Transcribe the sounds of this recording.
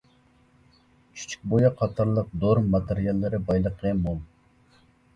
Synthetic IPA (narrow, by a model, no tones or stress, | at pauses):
t͡ʃʰy̥t͡ʃʰy̥k̚ʲbojɑqʰɑt̪ʰɑɾlˠəq̚d̪oɾmɑt̪eɾijɑlˠːɨɾɪbɑjlˠəqʰːəmomˠ